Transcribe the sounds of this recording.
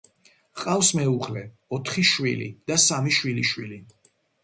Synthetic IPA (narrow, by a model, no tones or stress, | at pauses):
qʼafsmɛuʁlɛ | ɔt̪ʰχiʃwilḭd̪̥asamiʃwiliʃwili